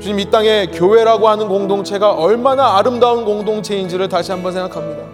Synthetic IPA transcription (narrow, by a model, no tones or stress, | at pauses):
t͡ɕuɲimit͈aŋe̞kjowe̞ɾaɡoɦanɯnkoŋdoŋt͡ɕʰe̞ɡaʔʌɭmanaːɾɯmdaunkoŋdoŋt͡ɕʰeind͡ʑiɾɯɭtaɕʰiɦambʌnsʰeŋɡakʰamɲida